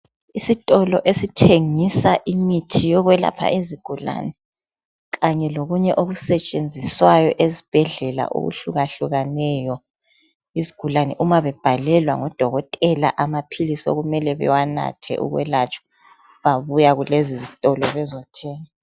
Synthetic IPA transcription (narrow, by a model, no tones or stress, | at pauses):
isitʼɔlɔʔesitʰeŋisaʔimitʰijɔɣwɛla̰pʰa̰ʔiziɡ̥ʱula̰nɛ | ɣaɲɛloɣuɲɛʔoɣusɛt͡ʃʼend͡zʱiswajɔʔezib̥ʱɛɮɛla̰ʔo̰ɣṵɬuɣaɬuɣanɛjɔ | iziɡ̥ʱulanɛʔumaβɛb̥ʱalɛlwa̰ŋɔd̥ʱɔɣɔtʼɛla̰ʔamapʰilisɔ̰ɣumɛlɛβɛ̰wana̰tʰɛ̰ʔṵɣwɛ̰lat͡ʃʼɔ̥ | βaβujaɣulezizitʼɔlɔβɛzɔtʰɛːŋa